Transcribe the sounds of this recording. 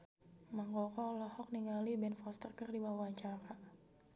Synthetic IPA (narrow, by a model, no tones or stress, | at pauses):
maŋkɔkɔlɔhɔk̚niŋalibɛnfɔst̪ərkərdiwawaɲt͡ʃaɾa